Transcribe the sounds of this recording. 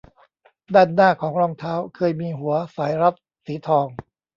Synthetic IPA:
daː˥˩nːaː˥˩kʰɔː˩˦ŋɾɔː˧ŋt̪ʰaː˦˥wkʰɤː˧jmiː˧ɦu˩˦ɐsaː˩˦jɾa˦˥p̚ | siː˩˦t̪ʰɔː˧ŋ

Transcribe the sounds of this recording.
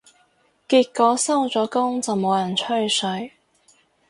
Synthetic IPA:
kiː˧t̚kːɔː˨˥sɐ˥wt͡sɔː˨˥kʊ˥ŋt͡sɐ˨wmo˨˧wjɐ˨˩nt͡ʃʰɵ˥ɥsɵ˨˧˥ɥ

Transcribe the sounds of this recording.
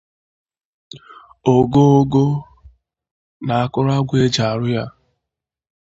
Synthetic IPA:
o˨ɡo˦o˦ɡo˦ | na˨a˨kʊ˦ɾa˦ɡʷe˦d͡ʒa˨a˨ɾʊ˦ja˦

